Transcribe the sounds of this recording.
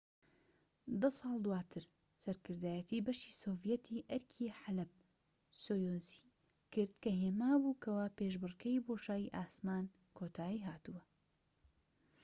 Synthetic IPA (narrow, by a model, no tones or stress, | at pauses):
d̪ɐsɑːlˠd̪uwaːt̪ʰɨɾ | sɐɾkɨɾd̪aːjɛt̪ʰiːbɐʃiːsoːvjɛt̪ʰiːʔɐɾkʰiːħalɐb̚ | soːjoːzi | kɨɾd̪kɐɦeːmaːbuːkʰɐwaːpeːʒbɨrkʰɐjboːʃaːjiʔaːsmaːn | kʰot̪ʰaːiːɦaːt̪uwɐ